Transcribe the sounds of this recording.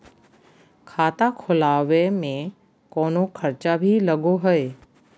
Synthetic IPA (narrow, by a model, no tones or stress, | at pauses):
kʰaːt̪akʰʊlaːʋemẽ | koːnokʰɐɾt͡ʃabʱilɐɡoɦəe